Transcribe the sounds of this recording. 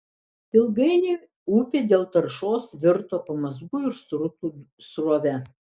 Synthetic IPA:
tʲɪlˠɡɐɪnʲeː | uːpʲeːd̪ʲeːlˠt̪ɐɾʃoːsʋʲɪɾt̪oːpɐmɐzɡuɪɾsɾʊt̪u | sɾoːʋʲɛ

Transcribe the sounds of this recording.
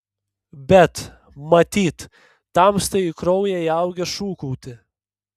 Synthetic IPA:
bʲɛt̪ | mɐt̪ʲiːt̪ː | ɑmst̪ɐɪɪkɾɔʊjɛɪɐʊɡʲɛʃuːkɔʊt̪ʲɪ

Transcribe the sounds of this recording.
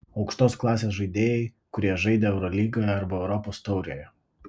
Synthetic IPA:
ɒʊkʃt̪oːsklˠɑːsʲeːsʒɐɪd̪ʲeːjɛɪ | kʊɾʲiɛʒɐɪd̪ʲeɛʊɾɔlʲiːɡoːjɛɐɾbɐɛʊɾɔpoːst̪ɒʊɾʲoːjɛ

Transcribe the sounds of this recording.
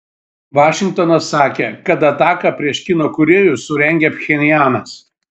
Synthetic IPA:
ʋɑːʃʲɪŋkt̪oːnɐsːɑːkʲekɐt̪ɐt̪ɑːkɐpʲɾʲiɛʃʲkʲinoːkʊɾʲeːjʊsʊɾʲɛŋʲɡʲɛpʲxʲɛnʲɪjæːnɐs

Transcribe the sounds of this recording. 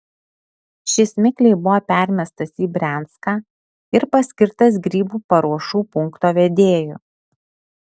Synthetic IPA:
ʃʲɪsmʲɪklʲɛɪbʊʋoːpʲæˑɾʲmʲɛst̪ɐsiːbʲɾʲæˑnˑt̪skaː | ɪɾpɐsʲkʲɪɾt̪ɐs̬ɡɾʲiːbuːpɐɾuɔʃuːpʊŋkt̪oːʋʲɛd̪ʲeːjṵː

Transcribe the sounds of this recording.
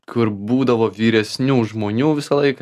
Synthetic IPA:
kʊɾbuːd̪ɐʋoːʋʲiːɾʲɛsʲnʲuːʒmoːnʲuːʋʲɪsɐlˠɐɪk

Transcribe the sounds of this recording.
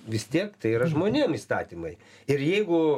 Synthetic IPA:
ʋʲɪst̪ʲiɛkt̪ɐɪiɾɐʒmoːnʲeːmiːst̪ɑːt̪ʲimɐɪ | ɪɾjɛɪɡʊ

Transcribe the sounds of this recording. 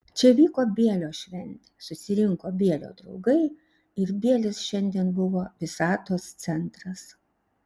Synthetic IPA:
t͡ʃʲɛʋʲiːkoːbʲiɛlʲoːʃʲʋʲɛnʲt̪ʲesʊsʲɪɾʲɪŋkoːbʲiɛlʲo̰ːd̪ɾɒʊɡɐɪ | ɪɾbʲiɛlʲɪsʃʲɛnʲd̪ʲiɛnbʊʋoːʋʲɪsɑːt̪oːst̪sʲɛnt̪ɾɐs

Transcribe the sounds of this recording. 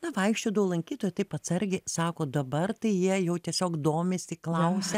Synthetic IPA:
nɐʋɐɪkʃʲt͡ʃʲʊːd̪ɐʊlˠɐŋʲkʲiːt̪oːjɛt̪ɐɪpɐt̪sɐɾʲɡʲɪsɑːkoːd̪ɐbɐrt̪ɐɪjiɛjɛʊt̪ʲiɛsʲoːkd̪oːmʲeːsʲɪklˠɐʊsʲɛ

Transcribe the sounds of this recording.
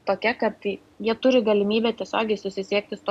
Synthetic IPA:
t̪oːkʲɛkɐt̪ | jiɛt̪ʊɾʲɪɡɐlʲɪmʲiːbʲɛːt̪ʲiɛsʲoːɡʲɛɪsʊsʲɪsʲiɛk̚t̪ʲɪst̪o

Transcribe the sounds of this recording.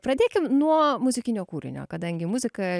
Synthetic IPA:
pɾɐd̪ʲeːkʲɪmnuɔmʊzʲɪkʲɪnʲoːkuːɾʲɪ̰nʲo̰ːkɐd̪ɐŋʲɡʲɪmʊzʲɪkɐ

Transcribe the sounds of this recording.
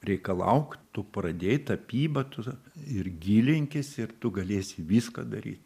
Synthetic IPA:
rʲɛɪkɐlˠɐ̰ʊkt̪ʊprɐd̪ʲeːjt̪ɐpʲiːbɐt̪ʊɪrɡʲiːlʲɪŋʲkʲɪsɪrt̪ʊɡɐlʲeːsʲɪʋʲiːskɐ̰d̪ɐɾʲḭːt̪

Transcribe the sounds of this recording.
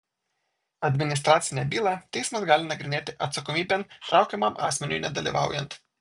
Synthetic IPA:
ad̪minist̪ɾaːt̪sʲinʲɛbiːlat̪esmɐzɡaːlʲinɐɡɾɪneːt̪ɛʔɐt̪sɔkɔmiːbɛnt̪ɾawkɛmama̰smɛnʲujnɐd̪ɐlʲjɛ̰ʋa̰ːwjɛnt̪

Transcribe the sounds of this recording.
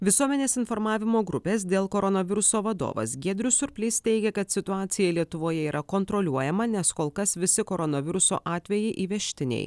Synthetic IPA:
ʋʲɪsuɔmʲɛnʲeːsɪnfɔɾmɑːʋʲɪmoːɡɾʊpʲeːs̬d̪ʲeːlˠkoɾɔnɐʋʲɪɾʊsoːʋɐd̪o̰ːʋɐ̰sɡʲiɛd̪ʲɾʲʊsʊɾʲpʲlʲɪst̪ʲɛɪɡʲɛkɐt̪sʲɪt̪ʊɑːt̪sʲɪjɛlʲiɛt̪ʊʋoːjɛiːɾʔɐkont̪ɾolʲuɔjɛmɐnʲɛskoːlˠkɐsʋʲɪsʲɪkoːɾɔnɐʋʲɪɾʊso̰ːʔɑːt̪ʲʋʲɛjɛɪʔiːʋʲɛʃʲt̪ʲɪnʲɛ̰ɪ

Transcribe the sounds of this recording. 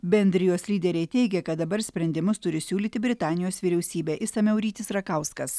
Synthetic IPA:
bʲɛnʲd̪ʲɾʲɪjoːslʲiːd̪ʲɛɾʲɛɪt̪ʲɛɪɡʲɛkɐt̪̚d̪ɐbɐɾsʲpʲɾʲɛnʲd̪ʲɪmʊst̪ʊɾʲɪsʲuːlʲiːt̪ʲɪbʲɾʲɪt̪ɑːnʲɪjoːsʋʲiɾʲɛʊsʲiːbʲæːʔɪsɐmʲɛʊɾʲiːt̪ʲɪsɾɐkɐˑʊskɐs

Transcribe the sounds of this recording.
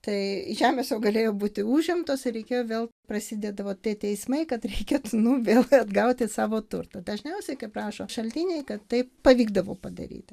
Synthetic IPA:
t̪ɐɪʒʲæːmʲeːsjɛʊɡɐlʲeːjoːbuːt̪ʲɪuːʒʲɪmt̪oːsɪɾʲɛɪkʲeːjoːʋʲeːlˠprɐsʲɪd̪ʲeːd̪ɐʋoːt̪ʲiɛt̪ʲɛɪsmɐɪkɐt̪ɾʲɛɪkʲeːt̪unʊʋʲeːlˠɐd̪ɡɐʊt̪ʲɪsɑːʋoːt̪ʊrt̪ɐd̪ɐʒʲnʲɛʊsʲɛɪkɐɪprɑːʃoːʃɐlʲt̪ʲiːnʲɛɪkɐt̪t̪ːɐɪppɐʋʲiːɡd̪ɐʋo̰ːpɐd̪ɐ̰ɾʲḭːt̪ʲɪ

